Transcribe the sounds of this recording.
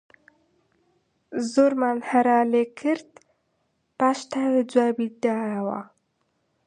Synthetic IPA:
zoɾmanhaɾɑlekʰəɾt̪ | paʃt̪awed͡zwabid̪aɾawa̰

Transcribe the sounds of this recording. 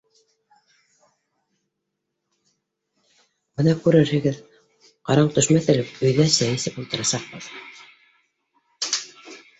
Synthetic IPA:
b̥ɤnɑkʉɾɘɾhɘ̆ɡɘð | qɑɾɑmt̪ɵ̆ʃmæθɘ̆lɘp̚ɵ̆jðæsæjɘ̆sɘpulˠt̪ɤ̆ɾɑsɑq̚bɤð

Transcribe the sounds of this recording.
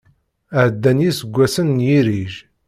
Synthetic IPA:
əʕd̪ːænjisəɡʷːæsənːjiɾiʒ

